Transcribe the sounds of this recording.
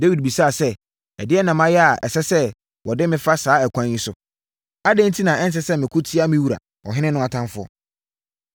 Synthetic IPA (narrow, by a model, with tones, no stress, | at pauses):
de˦wi˨d̚bi˨sa˦˨sɛ˦ | ɛ˨dɪ˦ɛ˦nã˨mã˦jɛ˦a˨ʔɛ̰˨sɛ˦sɛ˦ | wɔ˨dɪ˦mɪ̃˦fa˦saː˦ɛ˨kʷʰã˦ɲjĩ˦sʊ˦ | a˦dɛ̃˦n˦tʰi˦nã˨ɛ˦n˦s̬ɛ˦sɛ˦mɪ̃˨kʰʊ˦tʰi˦a˦mɪ̃˦wu˨ɾa̰˨ | ɔ̰˨ɦɪ̃˦nɪ̃˦nʊ̃˦˨a˨tʰã˦nfʊ˦ɔ̰˦